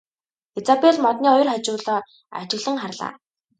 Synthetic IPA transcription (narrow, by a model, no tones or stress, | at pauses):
et͡sapeɮmɔt̪niːɔjɞ̆rχat͡ɕʊːɮɔː | a̰t͡ɕɪ̆ɣɮə̆ŋχarɮa̰ː